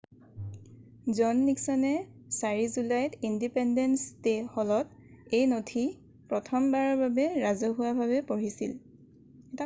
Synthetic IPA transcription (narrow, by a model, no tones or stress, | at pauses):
zɔnːiksɔnɛ | saɹizulajtindipɛndɛnstexɔlɔt̚ | ejnotʰi | pɹɔtʰɔmbaɹɔɹbabɛɹazɔɦʊwabʱaβɛpoɹisḭl | ɛta